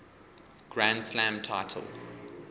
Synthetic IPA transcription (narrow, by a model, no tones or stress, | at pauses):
ɡ̥ɹãndslãmtʰaɪtʰə̰lˠ